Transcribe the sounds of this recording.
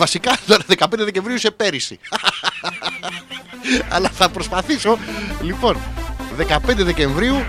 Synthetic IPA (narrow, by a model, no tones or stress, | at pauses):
vɐsikɐt̪o̞ɾɐðe̞kɐpe̞nd̪eðece̞ɱvɾiuse̞pe̞ɾisḭ | ɐ̰lɐθɐpɾo̞spɐθiso̞lipo̞nðe̞kɐpe̞nd̪eðe̞ce̞ɱvɾiu